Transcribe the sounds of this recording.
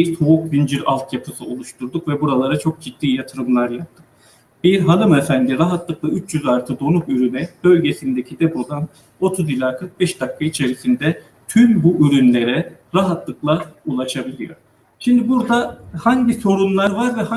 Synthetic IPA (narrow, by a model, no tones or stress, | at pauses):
t̪ʰoukvind͡ʒiɾalˠt̪ʰjapʰɯsɯo̞lˠuʃt̪ʰuɾd̪ukvɛbuɾalˠaɾat͡ʃʰo̞k̚d͡ʒid̪̥ːiːjat̪ʰɯɾɯmlˠaɾjap̚t̪ʰːɯk | b̥iɾɦanˠɯmefænd̪iɾaɦat̪lˠɯklˠayt͡ʃʰjyzaɾt̪ʰɯd̪o̞nukyɾynɛb̥ø̞lʲɟe̞sind̪ecʰid̪epo̞d̪an | o̞t̪ʰuzilʲaːkʰɯɾk̚bɛʃd̪akʰːait͡ʃʰe̞ɾisind̪ɛ | t̪ʰymbuʔyɾynlʲe̞ɾɛɾaɦat̪lˠɯklˠaulˠaʃabilʲijo̞̰ | ʃimd̪ibuɾd̪ahaɲɟiso̞ɾunlˠaɾvaɾvɛh